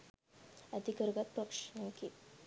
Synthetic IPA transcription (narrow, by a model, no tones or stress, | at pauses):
əd̪ikəɾɡat̪̚pɾəkʂnaki